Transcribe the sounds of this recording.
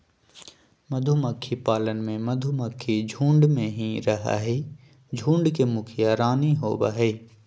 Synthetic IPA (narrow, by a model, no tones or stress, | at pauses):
mɐd̪ʱuməkʰːipaːlənmẽmɐd̪ʱuməkʰːid͡ʒʱũːɳɖmẽɦĩɾɐɦa̰ɦe | d͡ʒʱũːɳɖkemʊkʰijaɾaːniɦoːba̰ɦɛː